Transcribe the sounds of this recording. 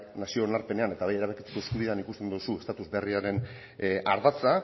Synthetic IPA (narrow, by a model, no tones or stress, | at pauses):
nasio̞naɾpe̞ne̞ane̞t̪aβaje̞ɾaβ̞ekit͡s̪u̥k̪ueskuð̞iðanikust̪e̞nd̪uusuest̪at̪uzbe̞riaɾe̞n | a̰ɾðat͡sa